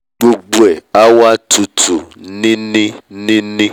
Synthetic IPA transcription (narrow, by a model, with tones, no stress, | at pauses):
ɡ͡bo˨ɡ͡bo˨ɛ˨a˦wa˦tu˨tʰu˨nɪ̃˦nĩ˦nĩ˦nĩ˦